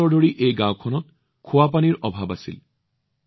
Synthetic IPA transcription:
ɔɹdʱoɹiʔejɡãwkʰɔnɔt | kʰʊwapaniɹʔɔbʱabasḭl

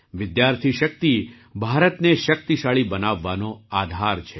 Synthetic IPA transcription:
ʋɪd̪jaɾt̪ʰiʃək̚t̪i | bʱaɾət̪neʃək̚t̪iʃaɭibənaʋːanoad̪ʱaɾt͡ʃʰe

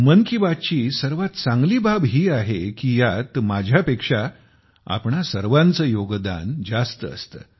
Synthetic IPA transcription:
mənkibat̪̚t͡ɕiːsəɾʋat̪t͡sãŋɡliːbʱabɦiːaɦekiːjat̪mad͡ʑʱjapekʂa | a̰pɳasəɾʋant͡səːjoɡd̪a̰nd͡zast̪əə̰st̪ə̰

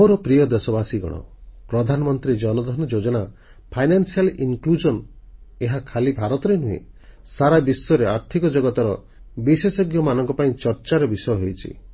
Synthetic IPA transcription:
oɾɔpɾijɔd̪esɔbasiɡɔ̰ɽ̃ɔ̰pɾɔd̪ʱanɔmɔnt̪ɾid͡ʒɔnɔd̪ʱɔnɔd͡ʒod͡ʒɔɽ̃a | pʰajnansialiŋklud͡ʒɔn | eɦakʰalibʱaɾɔt̪ɔɾenuḛ̃ | saɾabisɔɔɾeaɾt̪ʰikɔd͡ʒɔɡɔt̪ɔɾɔ | bisesɔɡjɔmanɔŋkɔpaĩt͡ʃɔɾt͡ʃaɾɔbisɔjɔɦejt͡ʃʰḭ

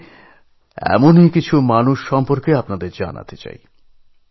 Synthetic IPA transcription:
ɛ̰monikit͡ɕʰumanuʃːɔmpoɾkeapnad̪eɾd͡ʑa̰na̰t̪et͡ɕa̰j

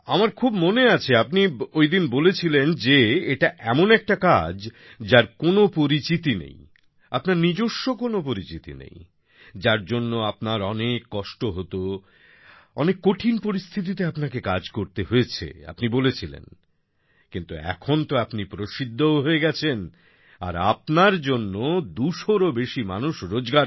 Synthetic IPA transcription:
amaɾkʰubmoneat͡ɕʰeapniojd̪inbolet͡ɕʰilend͡ʑeeʈaʔɛmonɛk̚ʈakad͡ʑ | d͡ʑaɾkonopoɾit͡ɕit̪inḛj | apnaɾnid͡ʑoʃːokonopoɾit͡ɕit̪ḭnḛj | d͡ʑaɾd͡ʑonːoapnaɾɔnekːɔʃʈoɦot̪o | ɔnekːoʈʰinpoɾist̪ʰit̪̬it̪̬eapnakekad͡ʑkoɾt̪eɦoet͡ɕʰḛa̰pnibolet͡ɕʰilḛn | kint̪uɛ̰kʰont̪oapnipɾoʃid̪ʱːooɦoeɡɛt͡ɕʰen | a̰ɾa̰p̚naɾd͡ʑonːod̪uʃoɾobeʃimanuʃɾod͡ʑɡaɾ

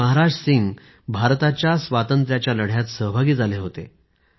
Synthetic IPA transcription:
əɦaɾad͡ʑsiŋɡ | bʱaɾt̪at͡ɕjasʋat̪ənt̪ɾjat͡ɕjaləɽ̤jat̪səɦbʱaɡiːd͡zʱaleɦot̪ḛ

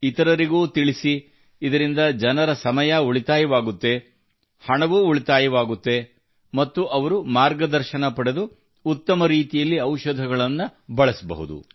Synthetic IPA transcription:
it̪ɐɾɐɾiɡuːt̪iɭisiː | d̪ɐɾind̪ɐd͡ʒɐnɐɾɐsɐmɐjɐuɭit̪aːjɐʋaːɡut̪ːe̞ | hɐɳɐʋuːuɭit̪aːjɐʋaːɡut̪ːe̞ | mɐt̪ːuʔɐʋɐɾumaːɾɡɐd̪ɐɾʃɐnɐpɐɽed̪uː | t̪ːɐmɐɾiːt̪ijɐlːiɐwʃɐd̪ʱɐɡɐɭɐnːubɐɭɐsɐbɐ̰ɦṵd̪ṵ

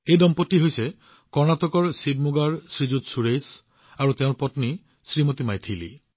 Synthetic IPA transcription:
ejdɔmpɔtːiɦojse | kɔɹnat̪ɔkɔɹsib̚muɡaɹsɹid͡ʒut̪suɹejs | aɹut̪eʊ̃ɹpɔtni | sɹimot̪imajt̪ʰilḭ

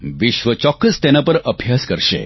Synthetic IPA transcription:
ʋɪʃʋət͡ʃɔkːəst̪enapəɾəbʱjaskəɾʃḛ

